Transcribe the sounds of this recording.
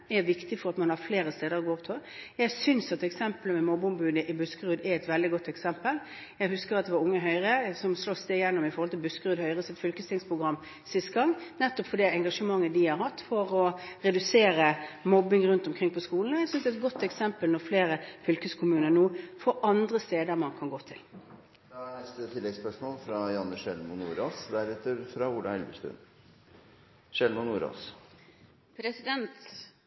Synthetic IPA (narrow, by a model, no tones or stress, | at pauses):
æɾʋɪkt̪ɪfɔɾɑt̪mɑnhɑɾfleːɾəst̪eːd̪əɾɔɡoːɔpt̪ʰojæɪsʏnsɑt̪ːɛksɛmpələmɛmɔbʊmbʉːd̪əʔɪbʉskəɾʉːd̪æɛt̪ʋɛld̪ɪɡɔt̪ːɛksɛmpəl | jæɪɦʉskəɾɑt̪d̪ɛʋɑɾʊŋːəɦœʏɾəsɔmslɔst̪eːɡjɛnːɔmɪfɔɾhɔlt̪ʰɪlbʉskəɾʉːd̪hœʏɾəsɪt̪fʏlkəst̪ʰɪŋspʰɾʊɡɾɑmː | sɪst̪ɡɑŋːnɛt̪ːɔpfɔd̪ɛɛŋɡɑʂəmɑŋːəd̪ɪhɑɾhɑt̪ːfɔɾɔɾɛd̪ʉseːɾəmɔbɪŋɾʉnt̪ɔmkʰʁɪŋpʰɔskuːln̩æsʏnsd̪ɛt̪̚ɡɔt̪ːɛksɛmpəlnɔʁfleːɾəfʏlkəskʰʊmʉːnənuːfɔʔɑnd̪ʁəst̪eːd̪əʁmɑnkʰɑnɡoːt̪ʰɪl | d̪̥ɑænɛst̪ət̪ʰɪlːɛɡspœʂmɔːlfɾɑjɑnːəʂɛlmʊnṵːɾoːsd̪æɾɛt̪ːəɾfɾɑuːlɑɛlbəʂt̪ʉ̰n | ʂɛlmʊnuːɾo̰s | pʰɾɛsɪd̪ɛnt̪